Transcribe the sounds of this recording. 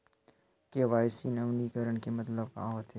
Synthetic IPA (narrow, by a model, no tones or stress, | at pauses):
keʋaːɪsiːnɐʋnikəɾəɳkemɐt̪ləb̚ka̰ɦoːt̪ɦeː